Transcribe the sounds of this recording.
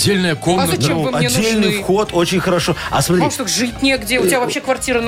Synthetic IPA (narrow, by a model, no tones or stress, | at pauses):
dʲːelʲnəjəkomɐt͡ɕemvɨmɐed̪ʲːelʲnɨjfxot̪ʰo̞t͡ɕɪnʲxəɾɐʂo̞ɐ̰smɐt̪ɾɪʂt̪oʐɨt̚ʲnʲeɡdʲeʊtʲɪbʲavɐpɕːekvɐrtʲiɾən